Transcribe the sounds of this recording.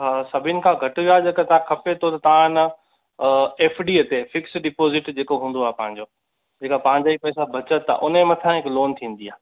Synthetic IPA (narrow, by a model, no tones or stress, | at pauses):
ɦasɐbʱɪnɪ̆kʰãːɡʱɐʈɪʋijaɦd͡ʑeːkat̪ɐãkʰɐpet̪ʰot̪ɐt̪ɐʋ̤ãnɐ | eːfɖiːət̪efɪksɖɪpoːzɪʈd͡ʑeːkoɦũːnd̪oaːɦepɐ̃ɦɪ̃ɲ̆d͡ʑoː | d͡ʑeːkapɐ̃ɦɪ̃ɲd͡ʑaːipɐːɪsabʱɐt͡ɕət̪ːa̰ʔʊnemɐ̃t̪ʰãɦɪkloːnt̪ʰĩːn̆d̪iaːɦ